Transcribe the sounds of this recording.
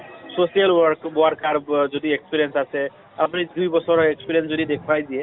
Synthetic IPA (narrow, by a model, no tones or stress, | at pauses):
sosijalwɔɾkboaɾkaɾd͡ʒoʈ̪iekspiɾijensasʰe | apnid̪ujbɔsɔɾɔekspiɾijensd͡zoʈid̪ekʰpajdie